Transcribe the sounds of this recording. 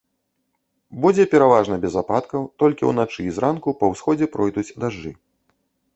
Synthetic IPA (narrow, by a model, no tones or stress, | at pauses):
bud͡zʲɛpʲɛɾavaʐnɐbʲɛzapat̪kɐwt̪ɔlʲkʲiwnat͡ʂɨːzɾʔankupɐwsxɔd͡zʲɛpɾɔjd̪ut͡sʲd̪aʐːɨ